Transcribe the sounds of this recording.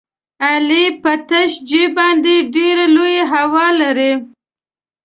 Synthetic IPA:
alipət̪aʃd͡ʒebɑnd̪eɖeɾalojeɦawɑlaɾi

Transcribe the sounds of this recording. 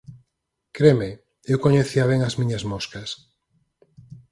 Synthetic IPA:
kɾemɪ | ewkoɲeθiaβ̞eŋɐzmĩɲɐzmoskɐs

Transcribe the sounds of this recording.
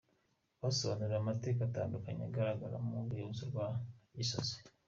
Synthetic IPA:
βasooneɾamateːkata̰ːndukaɲa̰ɡaɾaɡaɾa̰muɾujozuɾwaisoze̥

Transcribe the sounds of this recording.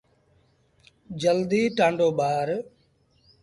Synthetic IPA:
d͡ʒəld̪iːʈãːɳɖoːɓaːɾ

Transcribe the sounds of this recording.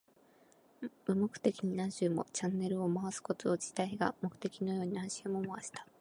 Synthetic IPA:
ɯ̟mo̞kɯ̟̥t̪e̞kʲiɲ̟inãɲɕɨːmo̞̰t͡ɕãnːe̞ɾɯ̟o̞maβasɨ̥ko̞t̪ood͡ʑi̥t̪aiɡa̰mo̞kɯ̟̥t̪e̞kʲino̞jo̞ːɲ̟iãɕimomaβaɕi̥t̪ḁ

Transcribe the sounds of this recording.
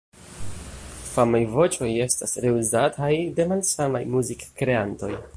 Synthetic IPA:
famajvo̞t͡ʃo̞je̞stasɾe̞uzatʰajde̞malsamajmuzikkɾe̞anto̞̰j

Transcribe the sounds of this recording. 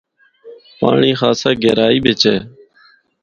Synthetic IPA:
pa̰ːɳiːxaːsaːɡeːɾaːiːbʱɪt͡ʃɛː

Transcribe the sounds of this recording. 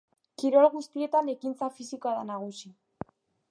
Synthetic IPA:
kiɾalɣust̪ie̞t̪ane̞kint͡safisikoaðanaɣ̞usi

